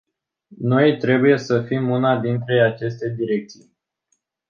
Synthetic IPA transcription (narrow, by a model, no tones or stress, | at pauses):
no̞jt̪ɾe̞buje̞səfimunad̪int̪ɾe̞at͡ʃe̞st̪e̞d̪iɾe̞k̚t̪sij